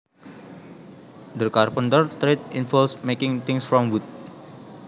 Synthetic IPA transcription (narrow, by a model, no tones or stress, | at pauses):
d̪əkarpənt̪ərt̪ɾet̪̚infɔlsmekɪŋt̪ɪŋsfɾɔmwut̪̚